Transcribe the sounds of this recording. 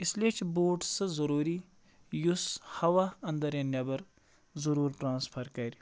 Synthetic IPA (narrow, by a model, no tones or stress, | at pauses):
isleːt͡ʃʰboːʈsɨzɐɾuːɾi | jushɐʋaɐnd̪ɐɾjɐnʲjɐbɐɾ | zɐɾuːɾʈɾãːnspʰɐɾkɐɾʲi